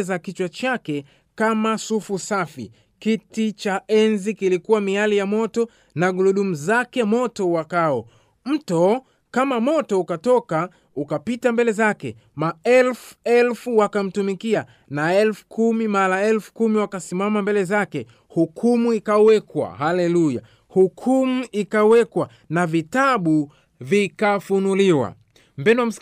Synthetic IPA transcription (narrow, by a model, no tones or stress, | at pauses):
zakit͡ʃwat͡ʃakɛ | kamasufusafḭ | kitit͡ʃaɛnzikilikuwamialijamɔtɔ | naɡuluɗumuzakɛmɔtɔwakaɔ | m̩tɔ | kamamɔtɔukatɔka | ukapitambɛlɛzakɛ̰ | maɛlfuɛlfuwakam̩tumikia | naɛlfu̥kʰumimalaɛlfu̥kumiwakasimamambɛlɛzakɛ | hukʰumuikawɛkwa̰halɛluja̰ | hukʰumuikawɛkwa | navitaɓu | vikafunuliwa̰ | mbɛnam̩